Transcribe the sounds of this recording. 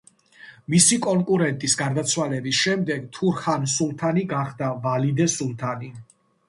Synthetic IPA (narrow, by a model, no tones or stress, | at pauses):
misikʼɔŋkʼuɾɛnt̪ʼisɡaɾd̪at̪sʰwalɛbisʃɛmd̪ɛɡt̪ʰuɾχansulˠt̪ʰaniɡaχd̪avalid̪ɛsulˠt̪ʰani